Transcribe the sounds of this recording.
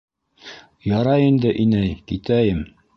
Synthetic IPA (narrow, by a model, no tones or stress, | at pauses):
jɑɾɑjind̪ɘʔinæjkit̪æjɘm